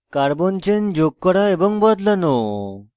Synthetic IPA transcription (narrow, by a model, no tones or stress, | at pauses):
kaɾbɔnt͡ɕend͡ʑok̚ːɔɽaebɔŋbɔd̪lano